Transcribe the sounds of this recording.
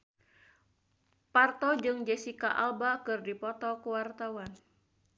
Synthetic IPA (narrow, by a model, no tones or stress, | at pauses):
part̪ɔd͡ʒɨŋd͡ʒɛsikaʔalbakɨrdipɔt̪ɔkuwart̪awan